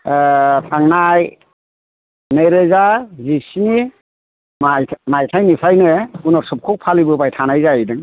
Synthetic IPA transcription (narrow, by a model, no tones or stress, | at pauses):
tʰaŋnaj | nɯjɾɯzazisni | majʰmajtʰajnipʰajnɯunɔɾsɯp̚kʰuk̚pʰalibɯbajtʰanajzajidɯŋ